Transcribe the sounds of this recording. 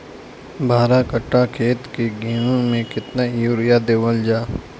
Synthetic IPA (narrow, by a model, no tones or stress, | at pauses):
bʱaːɾakəʈːakʰeːt̪kiɡiːnõmẽkɪt̪najuːɾjad̪eːwəld͡ʒaː